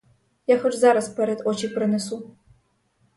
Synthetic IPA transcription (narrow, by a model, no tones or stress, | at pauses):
jaxɐʈ͡ʂʼzaːɾɐspʰɐɾɐtʼʔʷɔt͡ʃʰiːpʰrɨnɨsu